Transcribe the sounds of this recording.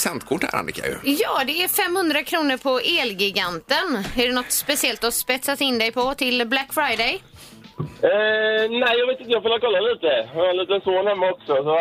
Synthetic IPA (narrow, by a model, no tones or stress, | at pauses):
sɛnt̪kʰʊʈhæ̰ɾa̰nɪ̰kʰːa̰jɵ̰jɑːd̪ɛæɾfɛmhɵnd̪ɾakʰɾuːnəɾpʰɔʔeːlɡɪɡant̪ənæɖɛnɔt̪spɛsɪɛlt̪ɔspɛt̪sat̪ɪnd̪ɛjpʰɔt̪ʰɪlblækːfɾajd̪ɛj | næɪjɑɡveːt̪ɪnəjɑɡfɔloːkʰɔlːaliːt̪əaliːt̪ənsoːnhɛmːaɔksɔsɔ